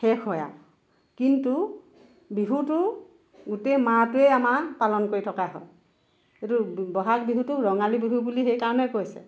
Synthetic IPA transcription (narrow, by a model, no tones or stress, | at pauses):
xɛkʰɔja̰ | kintu | biɦutʊ | ɡutematʊɛamapalɔnkoɹitʰɔkaɦɔj | etubɔɦak̚biɦutʊɹɔŋalibiɦubulixejkaɹɔnɛkojsɛ̰